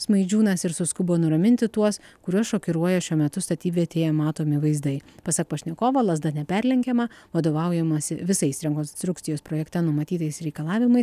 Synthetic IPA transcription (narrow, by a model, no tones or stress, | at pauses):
smɐɪd͡ʒʲuːnɐsɪɾsʊskʊboːnʊɾɐmʲɪnʲt̪ʲɪt̪uɔskʊɾʲuɔsʃoːkʲɪɾuɔjɛʃʲuɔmʲɛt̪ʊst̪ɐt̪ʲiːʋʲɛɐt̪ʲeːjɛmɑːt̪oːmʲɪʋɐɪzd̪ɐɪpɐsɐk̚pɐʃʲnʲɛkoːʋɐlˠɐs̬d̪ɐnʲɛpʲɛɾʲlʲɛŋʲkʲɛmɐʋɐd̪oːʋɐʊjɛmɐsʲɪʋʲɪsɐɪsɾʲɛŋkonst̪ɾʊkt̪sʲɪjoːspɾoːjɛkt̪ʲɛnʊmɐt̪ʲiːt̪ɐɪsɾʲɛɪkɐlˠɑːʋʲɪmɐɪs